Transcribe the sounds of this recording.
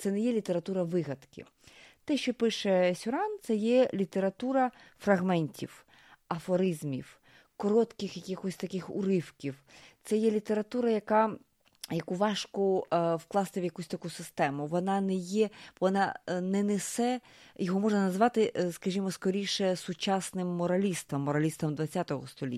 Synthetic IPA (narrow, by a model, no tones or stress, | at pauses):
t̪sɛnɛjɛlʲit̪eɾɐt̪uɾɐʋɪɣɐd̪kɪ̰ | t̪ɛʃt͡ʃɔpɪʃɛsʲʊɾɑnt̪sɛjɛlʲit̪eɾɐt̪uɾɐfrɐɣmɛnʲtʲḭw | ɐfɔɾɪzmʲiw | kɔɾɔt̪kɪxjɐkʲixɔsʲt̪ɐkɪxʊ̰ɾɪwkʲiwt̪sɛjɛlʲit̪eɾɐt̪uɾɐjɐkɑ | jɐkuʋɑʃkɔwklˠɑst̪ɪʋjɐkusʲt̪ɐkusɪst̪ɛmʊʋɔnɑnɛjɛʋɔnɑnɛnesɛjɔɦɔmɔʒnɐnɐzʋɑt̪ɪskɐʒʲimɔskɔɾʲijʃɛsʊt͡ʃɑsnɪmːɔɾɐlʲist̪ɐmːɔɾɐlʲist̪ɐmd̪ʋɐt͡sʲːat̪ɔɦɔst̪ɔlʲḭ